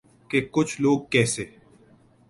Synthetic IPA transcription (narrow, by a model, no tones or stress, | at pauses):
kekʊt͡ʃʰloːɡ̚kɛːseː